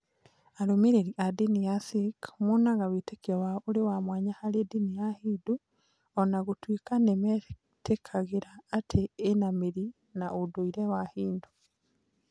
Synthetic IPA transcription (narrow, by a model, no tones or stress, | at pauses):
aɾomiɾeɾiʔadinijasikmonaɣawetekiɔwaoɾewamwaːɲahaɾedinijahidu | ɔnaɣotwiːkanemɛ | tʰekʰaɣeɾaːtʰeːnameɾi | naʔodoiɾɛwahiːndo